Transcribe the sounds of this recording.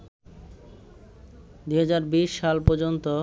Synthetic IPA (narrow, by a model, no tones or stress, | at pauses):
d̪uɦad͡ʑaɾbiʃːalpɔɾd͡ʑont̪o